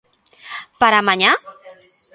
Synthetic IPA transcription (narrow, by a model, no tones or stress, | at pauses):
paɾamaɲa